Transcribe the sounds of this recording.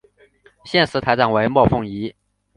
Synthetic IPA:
ɕjɛ˥˩nʂɹ̩˧˥t̪ʰa˧˥ɪʈ͡ʂa˨˩we˧˥ɪmwɔ˥˧fʊ˥˩ŋi˧˥

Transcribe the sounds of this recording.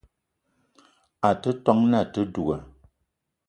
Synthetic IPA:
a˨tə˦tɔ˦ŋna˦˨tə˦du˨ɡə˨

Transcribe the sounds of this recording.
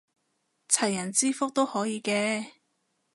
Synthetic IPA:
t͡sʰɐ˨˩jːɐ˨˩nt͡siː˥fʊ˥k̚t̪o˥whɔː˨˥jiː˨˧kɛː˧

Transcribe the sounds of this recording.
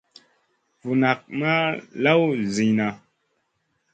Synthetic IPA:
vu˨na˨k̚ma˦la˦wzi˨ɲna˨

